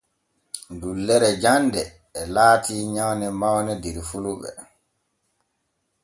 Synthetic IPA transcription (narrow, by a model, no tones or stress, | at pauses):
dulːɛɾɛd͡ʒandɛː | laːtiːɲawnɛmawnɛdiɾfuluɓɛ̰